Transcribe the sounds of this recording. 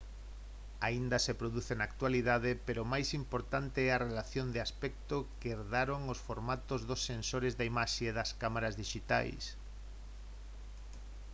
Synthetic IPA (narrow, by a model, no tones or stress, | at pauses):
aind̪ɐsepɾoðuθenak̚t̪waliðaðɪpeɾomajsimpoɾt̪ant̪ɪɛarelaθjond̪ɪaspɛk̚t̪okeɾðaɾoŋosfoɾmat̪ozðosːensoɾɪzðaimaʃeeðɐskamaɾazðiʃit̪a̰js